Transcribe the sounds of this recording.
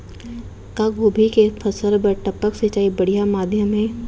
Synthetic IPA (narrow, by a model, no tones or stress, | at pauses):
kaɡʱoːbʱikepʰɐsəlbəʈɐpəkset͡ʃaːibɐɽijamaːd̪ʱjəmɦɛ̃ː